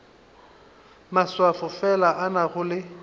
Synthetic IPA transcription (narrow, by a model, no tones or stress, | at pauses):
maswafʊfɛlaʔanaɣʊlɪ